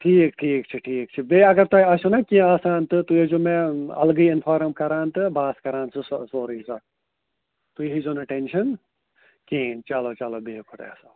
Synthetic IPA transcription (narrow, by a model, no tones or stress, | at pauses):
ʈʰiːkʈʰiːkt͡ʃʰiʈʰiːk̚t͡ʃʰibeːɐɡɐɾt̪ɐiɐsunɐkʲĩaːsaːnt̪ɨt̪ued͡ʒumẽɐ̰lɡɨiɪnpʰaːɾɐmkɐɾaːnt̪ɨbaːskɐɾaːnsɨsoːɾiːsɐ | t̪uɦizonɐʈenʃɐn | kĩːt͡ʃɐloːt͡ʃɐloːbeːkʰʊt̪ḛːsa